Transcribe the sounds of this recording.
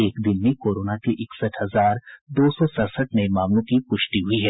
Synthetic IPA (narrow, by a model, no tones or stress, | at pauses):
eːkd̪ɪnmẽkoːɾoːnakiʔɪksəʈhɐzaːɾd̪oːsɔsəɾsəʈnəemaːmlõkipʊʃʈiɦʊiɦɛː